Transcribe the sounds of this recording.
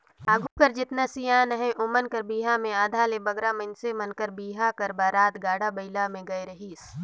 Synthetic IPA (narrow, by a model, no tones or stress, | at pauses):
aːɡʱukəɾd͡ʒɪt̪nasijaːnəɦẽʔʊmənkəɾbiːɦamẽaːd̪ʱaːlebɐɡɾamɐnsemənkəɾbiːɦakəɾbaːɾaːt̪ɡaːɽabɐɪlamẽɡɐeɾɐɦiːs